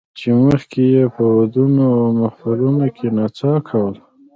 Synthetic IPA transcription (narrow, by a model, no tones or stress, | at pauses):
t͡ʃeməxkejepəwad̪unoawmafaɾunokʰenat͡sɑkʰawəl